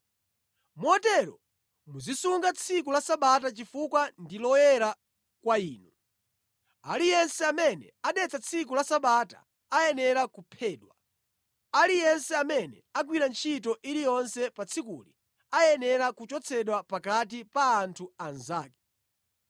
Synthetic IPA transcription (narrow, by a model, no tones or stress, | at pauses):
muɔtɛɾɔ̰ | muzisuŋɡat͡sʰikulasaɓat̬at͡ʃifukwandilɔjɛɾa | kwaiːnu | alijɛnsɛamɛnɛ̰aɗɛt͡sat͡sʰik̬ulasaɓataː | jɛnɛɾakupʰɛːɗwa | alijɛnsɛamɛnɛak̬wiɾant͡ʃʰitɔʔiɾijɔnsɛpat͡sʰikṵli | ajɛnɛɾakut͡ʃɔt͡sʰɛɗwapakatipaːntʰuanzaːkɛ̥